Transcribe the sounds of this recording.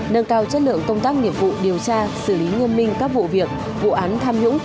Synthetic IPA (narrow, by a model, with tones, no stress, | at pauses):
nə˧ŋkaː˧wt͡ɕə˦˥t̚lɨ̰˧˨əŋkə˧wŋ͡mt̪aː˦˥k̚ŋi˧˩əp̚vṵ˧˨ɗi˨˩əwt͡ɕaː˧sɨ˧˩li˨˦ŋɨ˧ənmï˧ŋ̟kaː˦˥k̚vṵ˧˨vi˨˩ək̚ | vṵ˧˨ʔaː˨˦nt̪ʰaː˧mhʊ̰˧˥ŋ͡m